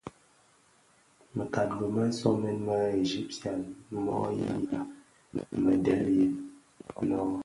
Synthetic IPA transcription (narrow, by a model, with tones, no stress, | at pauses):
mə˨ka˨tbə˨ma˦n̩˦sɔ˦mɛ˦nma˦e˨d͡ʒi˦p̚ti˨a˨n˦mɔ̰˦jḭ˦ja˨ | mə˨dɛ˦lje˨ | nɔ˦